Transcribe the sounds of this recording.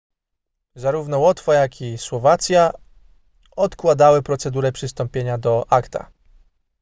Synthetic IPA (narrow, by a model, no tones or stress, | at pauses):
zaɾuvnɔwɔt̪fajakʰʲiswɔvat̪sʲja | ɔt̪kwad̪awɘpɾɔt̪sɛd̪uɾɛpʂɘst̪ɔmpʲjeɲad̪ɔʔakt̪a̰